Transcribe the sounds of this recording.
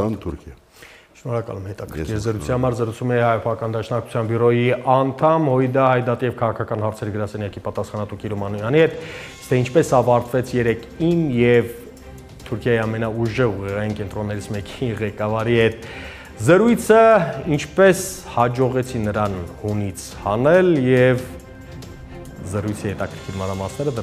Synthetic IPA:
nt̪ʰuɾkʰj | ʃnɔɾɑkɑ̰lumhɛt̪ɑkʰə̥kɾkʰiɾzəɾut͡sʰihɑmɑɾzəɾut͡sʰumɛhɑjɔpʰɑɑkɑnd̪ɑʃnɑku̥t͡sʰjɑnbiɾɔjiɑnt̪ʰɑmhɔid̪ɑhɑjd̪ɑt̪ijɛvkʰɑʁɑkʰɑkɑnhɑɾt͡sʰɛɾɡəɾɑsɛnjɑkipɑt̪ɑsχɑnɑt̪ukiɾumɑnujɑnihɛt̪ | t̪ʰɛint͡ʃʰpɛsɑvɑɾt̪vɛt͡sʰjɛɾɛkʰinjɛv | t̪ʰuɾkʰjɑjiɑmɛnɑuʒɛʁuʁɛʁɑjinkɛnt̪ɾɔnːɛɾit͡sʰmɛkiʁɛkɑvɑɾihɛt̪̚ʰ | zəɾujt͡sʰəint͡ʃʰpɛshɑd͡ʒɔʁɛt͡sʰinəɾɑnhunit͡sʰhɑnɛljɛv | zəɾujt͡sʰihɛt̪ɑkʰəɾkʰiɾmɑnɾɑmɑsnɛɾəd̪ə

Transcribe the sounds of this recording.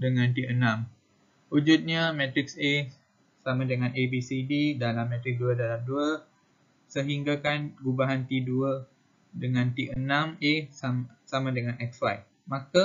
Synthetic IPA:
dəŋãnt̪iʔənãm | ud͡ʒut̪̚ɲamɛ̃t̪ɾɪkse | samãdəŋãnebisididalamːɛ̃t̪ɾɪk̚duədalamduə | səɦiŋɡakanɡubaɦant̪iduə | dəŋãnt̪iʔənãmesasamãdəŋanʔɛkslajt̪̚ | mãka

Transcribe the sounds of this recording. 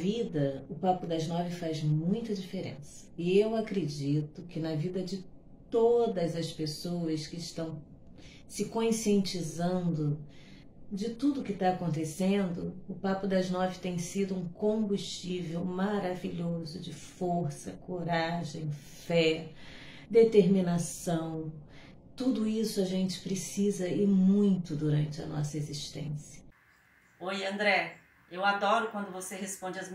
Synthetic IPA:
vid̪ɐʊpapʊd̪ɐznɔvɪfazmũj̃t̪ɐd͡ʒifeɾḛ̃sɐ̥ɪewakɾed͡ʒit̪ʊkɪnɐvid̪ɐd͡ʒɪ | t̪od̪ɐzɐspesowɐskɪːʃt̪ɐ̃w̃ | sɪkõsiẽnt͡ʃizɐ̃nd̪ʊ | d͡ʒɪt̪ud̪ʊkɪt̪aːkõnt̪esẽnd̪ʊʊpapʊd̪ɐznɔvɪt̪ẽj̃sid̪ʊũkõmbuʃt͡ʃivewmaɾaviʎozʊd͡ʒɪfoɾsɐkoɾaʒẽj̃ | fɛ | d̪et̪eɾmĩnasɐ̃w̃ | t̪ud̪ʊisʊaʒẽnt͡ʃɪ̥pɾesizɐɪmũj̃t̪ʊd̪uɾɐ̃nt͡ʃɪɐ̰nɔ̰sɐeziʃt̪ḛ̃sjɐ | ojɐ̃nd̪ɾɛ | ewad̪ɔɾʊkwɐ̃nd̪ʊvosehespõd͡ʒɪɐz

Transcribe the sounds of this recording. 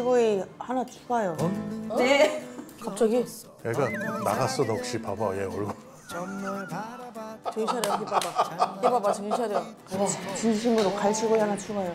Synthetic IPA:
ɡoihanat͡ɕʰuɡajonekap̚t͡ɕ͈ʌɡi | neɡana̰ɡas͈ʌnʌkɕ͈ipabajeoɭɡo | ʌmːoat͡ɕʌt͡ɕʰaɾejokipabakepabat͡ɕeiɕʰaɾjo | t͡ɕind͡ʑiɕ̬ʰimɯɾokaɭɕʰiɡoiɦanat͡ɕʰuɡajo

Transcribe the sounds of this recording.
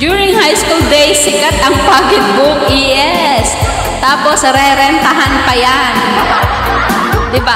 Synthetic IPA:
d͡ʒjuːɹɪŋhajskuld̪ejsɪkat̪ɐŋpaːɡɪt̪̚buk̚iʔɛ | s | t̪aːposɾɛɾɛnt̪ɐɦanpɐjan | d̪ɪba

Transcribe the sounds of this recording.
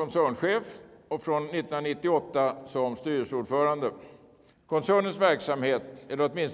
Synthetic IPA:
ɔnsæːɳɧeːfɔfɾɔnːɪt̪ːnnanɪt̪ːɪɔt̪ːasɔmst̪yːɾəsuːɖfœːɾand̪ə | kʰɔnsæːɳənsvæɾksamheːt̪ɛlːəɾɔt̪mɪns

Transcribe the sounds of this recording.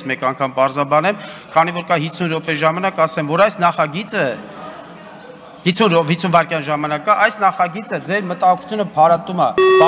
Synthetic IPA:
mɛkɑŋkʰɑmpɑɾzɑbɑnɛmkʰɑnivɔɾkɑɦisʰunɾɔpɛʒɑmɑnɑkɑsɛmvɔɾɑjsnɑχɑɡit͡sə | hit͡sʰunɾɔɦit͡sʰunvɑɾkjɑnʒɑmɑnɑkɑʔɑjsnɑχɑɡit͡səd͡zɛɾmət̪ɑɦɔkʰu̥t͡sʰjunəpʰɑɾɑt̪umɑt̪

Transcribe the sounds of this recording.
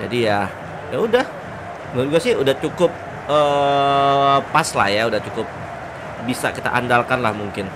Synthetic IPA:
d͡ʒa̰dija | jaudah | mɡuasɪhudaht͡ʃukʊp̚ | əː | pːasla̰hjaudaht͡ʃukʊp̚ | bisa̰kit̪a̰ʔandalkanlahmuŋkɪn

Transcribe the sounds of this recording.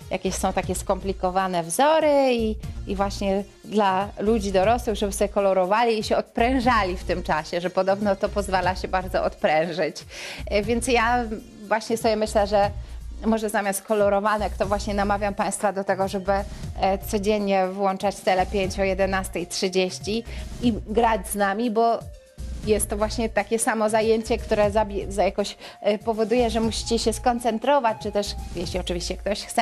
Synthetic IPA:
ja̰kʲeɕsɔ̃w̃t̪akʲɛskɔmplʲikɔvanɛvzɔɾɘiːvwaɕɲɛ | d̪lalud͡ʑid̪ɔɾɔswɘɣʐɛbɘsɔbʲjɛkɔlɔɾɔvalʲiːɕɛɔt̪̚pɾɛ̃w̃ʐalʲift̪ɘmt͡ʂaɕɛʐɛpɔd̪ɔbnɔt̪ɔpɔzvalaɕɛbaɾd̪zɔʔɔt̪pɾɛ̃w̃ʐɘt͡ɕvʲjɛnt̪sja | vwaɕɲɛsɔbʲjɛmɘɕlɛʐɛmɔʐɛzamʲjast̪̚kɔlɔɾɔvanɛkt̪ɔvwaɕɲɛnamavʲjampaj̃st̪fad̪ɔt̪ɛɡɔʐɛbɘt̪sɔd͡ʑeɲɲɛvwɔnt͡ʂat͡ɕt̪sɛlɛpʲjeɲt͡ɕɔjɛd̪ɛnast̪ɛjtʂɨd͡ʑeɕt͡ɕiiɡɾad͡ʑznamʲibɔ | jɛst̪ːɔvwaɕɲɛt̪akʲɛsamɔzajeɲt͡ɕɛkt̪uɾɛzabʲɛzajakɔɕpɔvɔd̪ujɛʐɛmuɕi̥t͡ɕɛɕɛskɔnt̪sɛnt̪ɾɔvat͡ɕt͡ʂɨt̪ɛʂjɛɕlʲiɔt͡ʂɨvʲiɕt͡ɕɛk̚t̪ɔɕxt̪sɛ

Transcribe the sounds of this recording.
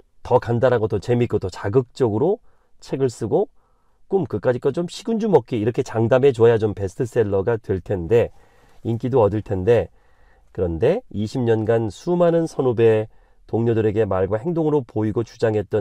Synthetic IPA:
tʌkandaɾɦaɡot͈ot͡ɕe̞mik͈otot͡ɕaɡɯk̚t͡ɕ͈ʌɡɯɾo | t͡ɕʰe̞ɡɯɭs͈ɯɡo | k͈umkɯk͈ad͡ʑik͈at͡ɕomɕʰiɡund͡ʑumʌk͈iːɾʌkʰe̞t͡ɕaŋdame̞t͡ɕoajat͡ɕompe̞sʰtʰɯs͈e̞ɭːʌɡatwe̞ɭtʰe̞nde̞ | ink͈idoʌdɯɭtʰe̞nde̞ | kɯɾʌnde̞iɕʰimɲʌnɡansʰumanɯnsʰʌnube̞ | toŋɲʌdɯɾe̞ɡe̞maɭɡwahe̞ŋdoŋɯɾopoiɡot͡ɕud͡ʑaŋɦe̞t̚t͈ʌ

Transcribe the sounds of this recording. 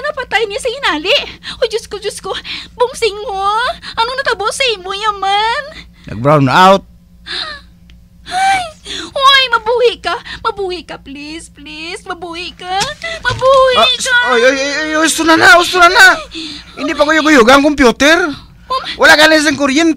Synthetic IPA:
anɐpat̪ajnɪasɐɡɪnaːlɪʔod͡ʒʊskod͡ʒʊskobʊŋsɪŋaʔɐnoŋnɐt̪abosɐimʊɲaman | na̰ɡ̚bɾawnawt̪̚ | hajwajmɐbuːhɪʔkamɐbuːhɪʔkaplɪsplɪsmɐbuːhɪʔkamɐbuhɪʔkaojojojojoust̪ʊnanaʊst̪ʊnanaʔɪnd̪ipakojʊɡʊjuɡaŋkompjut̪ɛr | wʔalaʔkalas̬aŋkoɾjɛnt̪

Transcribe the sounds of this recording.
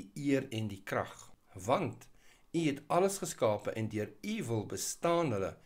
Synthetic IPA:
iiərɛndikrɐ̰χvɐnt | iɦɛtɐləsχəskɑːpəʔɛndøəɾivəlˠbəstɑːnɦələ̰

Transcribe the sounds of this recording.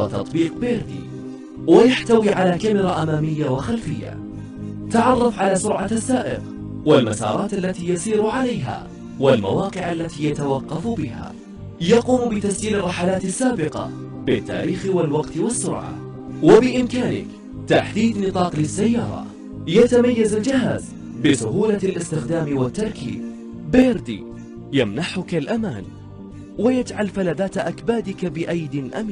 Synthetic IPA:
at̪ɑ̰t̪ˤbiːqbeːɾd̪ḭː | wajaħt̪awiːʕalaːkamɪɾɑʔamaːmɪjːawaxalfɪjːa̰ | t̪aʕɑrˤːɑfʕalaːsʊɾʕaasːaːʔɪ̰ɣ | walmasɑ̰ːɾˤɑːt̪ʔalːat̪iːjɑsˤiːɾʊʕalajɦa̰ː | walma̰wɑːqɪʕalːat̪iːjat̪awɑqːɑfbɪɦa̰ː | jɑquːmbɪt̪asd͡ʒiːlrˤːɑħalaːt̪asːaːbɪqɑ̰ | bɪt̪ːa̰ːɾiːxɪwalwɑqt̪ɪwasːʊ̰ɾʕa̰ | wabɪʔɪmkaːnɪ̰k | t̪aħd̪iːd̪nɨt̪ˤɑːqlɪsːajːɑːɾˤɑ̰ | jat̪amajːazald͡ʒɪhaːz | bɪsʊɦuːlalʔɪst̪ɪxd̪aːmwat̪ːɑɾˤkḭːb | beːɾd̪ḭː | jamnaħʊkalʔamaːn | wajad͡ʒʕalfalaːdaːt̪ʔakbaːd̪ɪkabɪʔajd̪ɪlʔa̰mː

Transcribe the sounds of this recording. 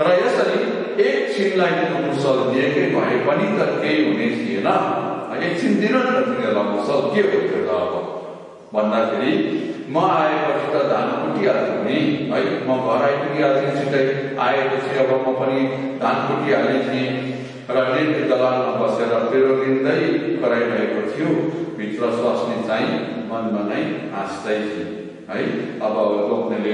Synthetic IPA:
rʌjesʌɾi | ek̚t͡sʰinlajkikmursʌld̪iekejbʱʌ̰epʌnid̪ʌkejɦunet͡sʰijenʌʌek̚t͡sʰind̪inʌd̪nt̪ʰinelamursʌlkebot̪ʰjet̪ʌ̰ːbʌ | bʱʌnd̪akʰeɾi | mʌaekʌt͡sʰit̪ʌd̪ʱankuʈiɦaliunĩɦʌjmʌɡʱʌɾajpuniad̪init͡sʰit̪ʌi | aekot͡sʰiʌbʌmʌpʌni | d̪ʱanpuʈiɦalit͡sʰĩ | rʌnejbid̪ʌlalmabʌseɾʌpeɾodind̪ʌjkʌɾajbʱʌekot̪ʰijũbʱit̪rʌswʌsnit͡saĩ | mʌnbʌnaj | ãsd̪ʌjtʰi | ɦʌjʌbʌloknele

